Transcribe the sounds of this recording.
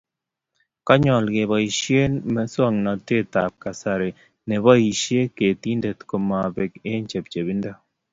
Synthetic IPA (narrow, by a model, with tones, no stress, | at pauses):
ka˦ɲɔ˨lɡe˨bɔ˨i˨ʃje˦nmɛ˦swɔ˦˨ŋna˨te˦˨t̪a˨p̚ka˨sa˨ɾe˨ | ne˨βɔ˦i˨ʃje˦ke˨t̪i˦nde˨t̪ko˨ma˨be˨ke˦ɲt͡ʃe˨p̚t͡ʃe˨bi˦nda˦